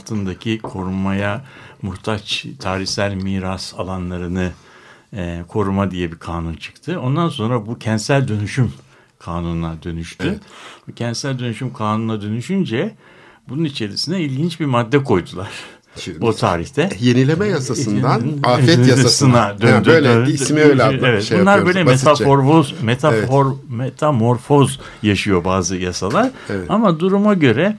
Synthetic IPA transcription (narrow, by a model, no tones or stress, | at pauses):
t̪ʰɯnd̪acʰikʰo̞ɾumajamuht̪ʰat͡ʃt̪ʰaːɾiçsʲælʲmiːɾasalˠanlˠaɾɯnɯ | kʰo̞ɾumad̪ijɛbikʰaːnunt͡ʃʰɯ̥kt̪ʰɯo̞nd̪anso̞nɾabucʰɛnt̪sælʲd̪ø̞nyʃym | kʰaːnunnad̪ø̞nyʃt̪ybucʰɛnt̪sælʲd̪ø̞nyʃymkʰaːnunnad̪ø̞nyʃynd͡ʒɛ | bununit͡ʃʰe̞ɾisinɛilʲɟint͡ʃbiɾmad̪ːɛkʰo̞jd̪ulˠaɾ̥ | but̪ʰa̰ːɾiçt̪ʰɛjenilʲemɛjasasɯnd̪anafɛjaasɯnad̪ønd̪mievɛt̪bunˠaɾbbøjlʲɛmet̪ʰafoɾfozmet̪ʰaoɾmet̪ʰamo̞ɾfo̞z | jaʃɯjo̞baːzɯjasalˠaɾɛamad̪uɾumaɟø̞ɾɛ